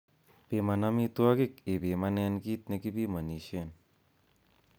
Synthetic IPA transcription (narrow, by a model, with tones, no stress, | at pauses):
pe˨ma˨na˦mi˦t̪u˦a˦ki˦k̚e˨pe˨ma˦nɛ˧nki˦t̪̚ne˧ki˦pi˦ma˨ni˨ʃe˦˨n